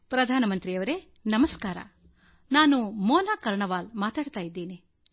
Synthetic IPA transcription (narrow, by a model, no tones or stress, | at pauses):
pɾɐd̪ʱaːnɐmɐnt̪ɾijɐʋɐɾe | nɐmɐskaːɾɐ̰ | naːnumɔːnaːkɐɾɳɐʋaːlmaːt̪aːɽt̪aːjid̪ːiːni